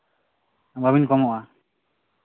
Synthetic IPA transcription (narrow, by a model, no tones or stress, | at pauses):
baβinkɔmɔʔa